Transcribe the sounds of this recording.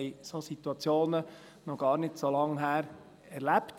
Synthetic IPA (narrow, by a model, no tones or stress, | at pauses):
ɪsosit̪uɑt͡sjoːnə | nɔɡ̥ɑːɾnɪtsolɑŋɦæːɾ | ɛɾlæpt